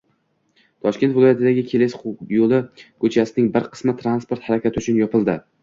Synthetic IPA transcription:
t̪ʰɒʃkʲe̞nt̪vɪlˠɒjat̪ɪd̪aɡʲɪkʲʰe̞lɪsjolˠɪkʰɵt͡ʃʰasɪnɪŋbɪɾqʰɨ̥smɪt̪ʰɾanspoɾt̪haɾakʲat̪ʰɪʊt͡ʃʰʊnjɒpɪlˠd̪ɪ

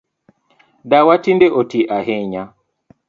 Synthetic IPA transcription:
dawatindeʔotiʔaheɲa

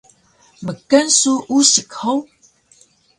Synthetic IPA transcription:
məkənsuʔuɕəkhow

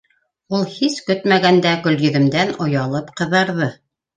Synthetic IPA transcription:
ulˠhiskɵt̪mæɡænd̪ækɵ̆ljɵ̆ðɘ̆md̪ænŏjɑlˠɤpqɤ̆ðɑɾðɤ

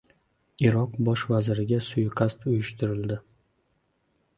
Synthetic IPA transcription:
iɾɒqbɒʃvazɪɾɪɡʲasʊjqʰast̪ʊjʊʃt̪ʰɪɾɪld̪ɪ

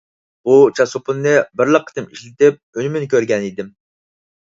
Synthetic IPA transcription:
but͡ʃʰɑsupunːɨbɪɾlˠəqʰːə̥t̪ʰɨmiʃlɪt̪ɪp̚ølymynkʲøɾɡʲɛnid̪ɪm

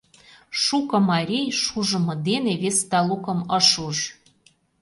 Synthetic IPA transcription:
ʃukɤ̆mɑɾʲejʃuʒə̆mɤ̆d̪eneβest̪ɑlukɤ̆mɤ̆ʃuʃ

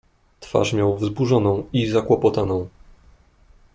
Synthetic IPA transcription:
t̪fa̰ʂmʲjawvzbuʐɔnɔ̃w̃izakwɔpɔt̪anɔ̃w̃

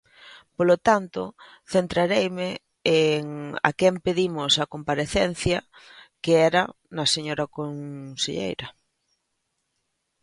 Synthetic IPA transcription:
polot̪ant̪o | θent̪ɾaɾejmɪ | eŋa̰kɛmpeðimʊsɐkompaɾeθɛn̟θjɐkeɛɾɐ | nɐseɲoɾɐkonseʎḛjɾɐ

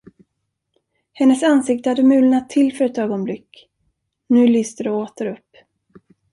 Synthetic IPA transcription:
hɛnːəsansɪk̚t̪əhad̪ːəmʉ̟ːlnat̪ʰːɪlːfœɾɛt̪øːɡɔnblɪkː | nʉ̟ːlʏːst̪əɖɔoːt̪əɾɵpː

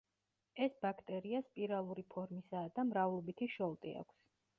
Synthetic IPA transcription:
ɛsbakʰt̪ʼɛɾiaspʼiɾalˠuɾipʰɔɾmisaːd̪amɾavlˠɔbit̪ʰiʃɔlˠt̪ʼia̰kʷʰs

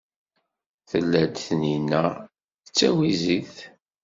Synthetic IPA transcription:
θəlːæd̪θninːæ | θət͡sːæwiziθ

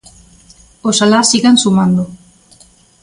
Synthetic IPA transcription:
osalasiɣansumand̪u

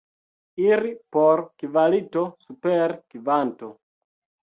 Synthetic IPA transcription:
iɾipoɾkivalitosupeɾkivanto

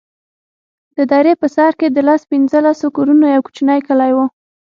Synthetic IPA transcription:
d̪̥əd̪ɑɾepəsɑɾked̪əlaspinzəlasokuɾunojawku̥t͡ʃnajkəlajwo

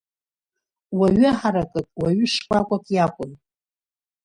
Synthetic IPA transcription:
waɥʊħaɾakʼɨkʼwaɥʏʂkʷʼakʷʼakʼjakʷʼʊn

